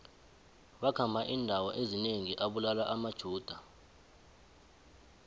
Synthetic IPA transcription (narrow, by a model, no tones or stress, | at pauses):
ɓakʰambʱaʔindʱawɔʔezineŋiʔaɓulalaʔamad̥ʒ̥ʱuːd̥ʱa